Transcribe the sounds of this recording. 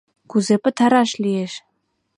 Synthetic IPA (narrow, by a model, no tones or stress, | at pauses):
kuzepɘ̆t̪ʰaɾɑʃlijeʃ